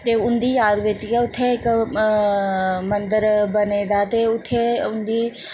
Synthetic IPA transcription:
t̪eːʊnd̪iːjaːd̪ʋɪt͡ʃkɛʊt̪ʰːeɪk | mənd̪əɾbəneːd̪aːt̪eːʊt̪ʰːeːʊnd̪iː

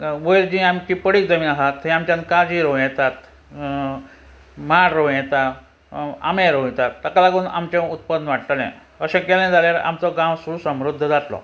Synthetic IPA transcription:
ʋəjld͡ʑĩamikipəɽikd͡zəmiaɦat̪hẽamt͡ɕãnkad͡ʑiɾojɛt̪at̪ | maɽɾojɛt̪a | a̰meɾõjɛt̪at̪ːakalaɡuːnʔa̰mt͡ɕẽut̪̚pənːəʋaʈt̪əlɛ̰̃ | əɕẽkɛlɛ̃d͡zaljaɾa̰mt͡sɔɡãwsuɾuːsəmɾud̪ʱːd͡zat̪lɔ̰

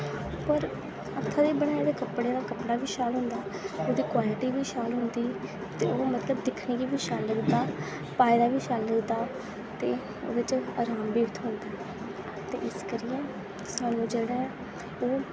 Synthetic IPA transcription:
pəɾ | ət̪ʰːaːd̪eːbəɽ̃aːdeːkəpɽeːd̪aːkəpɽaːʋiːʃaːlɦʊ̃nd̪aːoːd̪iːkwaːlɪʈiːʋiːʃaːlɦʊ̃nd̪iː | t̪eːoːmət̪ləbd̪ɪkʰniːkiːʋiːʃaːlːəɡd̪aː | paːɪd̪aːʋiːʃaːlːəɡd̪aː | t̪eː | o̰ːʋɪt͡ʃa̰ːɾaːmbiːʋt̪ʰɦʊ̃nd̪aː | t̪ḛːʔɪskəɾɪjẽː | saːnũːd͡ʒeːɽɛ̃ː | oː

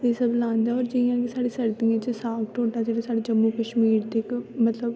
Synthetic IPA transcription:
ɪsəblãːnd̪aːɔːɾd͡ʒɪjãːkisaːɽiːsəɾt̪ĩãːt͡ʃəsaːkʈoːʈaːd͡ʒeːɽeːsaːɖeːd͡ʒəmːuːkəʃmiːɾt̪ɪkmət̪ləb

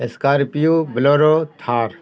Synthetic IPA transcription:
eskaːɾpijubɪloːɾoːt̪ʰaːɾ

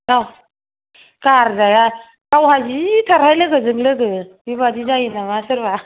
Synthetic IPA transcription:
naw | kaɾzaja | kawhazitʰaɾhajlɯɡɯzɯŋlɯɡɯbiβadizajinamasɯɾba

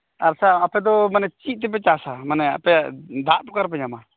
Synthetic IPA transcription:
aɾsaːpɛd̪ɔmanɛt͡ʃiʔ̚ˀt̪̬ɛp̬ɛt͡ʃasamanɛa̰pɛd̪aʔpɔkaɾp̬ɛɲama

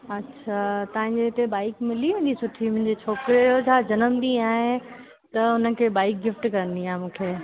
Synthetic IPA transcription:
ɐtːʃʰat̪ɐɦɪ̃ɲd͡ʑeɪt̪ebaːɪkmɪliẽːɲd͡ʑisʊʈʰimʊ̃ɦɪ̃ɲd͡ʑet͡ɕʰoːkɾeot͡ɕʰaːd͡ʑɐnəmd̪ĩaːɦɪ̃ | t̪ɐʊnəkʰeːbaːɪk̚ɡɪfʈkɐɾənd̪iãːmũːkʰeː

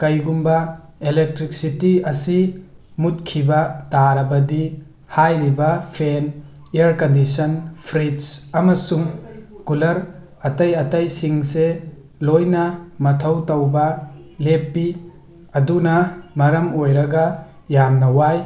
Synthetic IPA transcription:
kɐjɡumbɐelek̚tɾik̚sitiɐsi | mut̚kʰibɐtaɾɐbɐdi | hajɾibɐpʰen | eɐɾkɐndisɐnpʰɾisɐmɐsuŋkulɐɾ | ɐtɐjɐtɐjsiŋse | lojnɐmɐtʰɐwtɐwbɐlepːi | ɐdunɐmɐɾɐmojɾɐɡɐ | jamnɐwaj

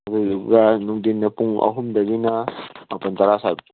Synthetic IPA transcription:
t̪uzuɡanuŋdinːɐpuŋɐ̰ɦumd̪ɐbinaːpɐnt̪aɾasab̚

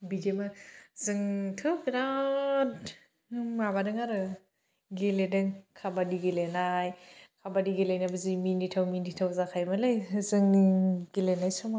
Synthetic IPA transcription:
bidemazɯŋtʰɯwbiɾat | mabadɯŋaɾɯ | ɡeledɯŋkʰabadiɡelenajkʰabadiɡelajnabɯziminitʰawminitʰawzakʰajmalɯjzɯŋɡelenajsɔma

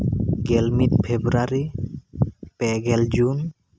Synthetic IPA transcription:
ɡɛlmit̚pʰebɾaɾi | pɛɡɛld͡ʒun

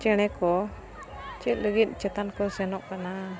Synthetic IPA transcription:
t͡ʃɛɽ̃ɛkɔ | t͡ʃit̪̚ləɡit̪̚ˀt͡ʃɛt̪ankɔsɛnɔʔkana

